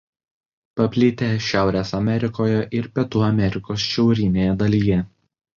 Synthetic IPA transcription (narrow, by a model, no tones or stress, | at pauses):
pɐpʲlʲɪt̪ʲeːʃʲæˑʊɾʲeːsɐmʲɛɾʲɪkoːjɛʔɪɾpʲiɛt̪uɐmʲɛɾʲɪkoːsʃʲɛʊɾʲɪnʲeːjɛd̪ɐlʲiːjɛ